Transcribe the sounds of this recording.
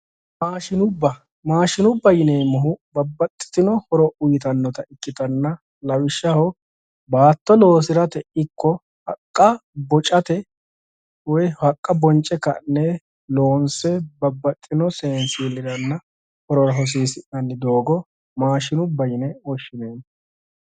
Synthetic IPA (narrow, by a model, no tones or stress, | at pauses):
maːʃɪnʊbːɐ | maːʃɪnʊbːɐjɪneːmɔɦʊbɐbːɐt̪ʼːɪ̥t̪ɪnɔhɔɾɔʔʊjɪt̪ɐnːɔt̪ɐɪkːɪt̪ɐnːɐ | lɐwɪʃːɐhɔ | baːt̪ːɔlo̞ːsɪɾɐt̪ɛʔɪkʰːɔ | hɐkʼːɐbɔt͡ʃʼɐt̪ɛ | wɔjhɐkʼːɐbɔnt͡ʃʼːɛkɐ̰nːɛ | lo̞ːnsɛbɐbːɐt̪ʼːɪnɔseːnsiːlːɪɾɐnːɐ | hɔɾɔɾɐɦɔs̬iːsɪʔɐnːɪd̪o̞ːɡɔ | maːʃɪnʊbːɐjɪnɛɔʃːɪneːm